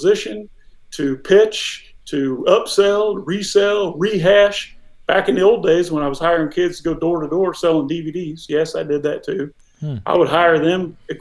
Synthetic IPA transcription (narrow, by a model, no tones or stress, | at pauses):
zɪʃɨ̃n | tʰɨpʰɪt͡ʃtʰɨʌpsɛlˠɹisɛlˠɹiɦæʃ | b̥ækɨ̃nðioʊlˠdeɪzwə̃naɪwʌz̥haɪə˞ɪ̃ŋkʰɪdz̥tʰɡoʊdɔɹɾɨdɔɹsɛlˠɪ̃ŋdividiz̥jɛsaɪdɨd̪̚ðɨtʰʉ | ʔa̰ɪwəd̚ɦaɪə˞ðɨ̃mɨ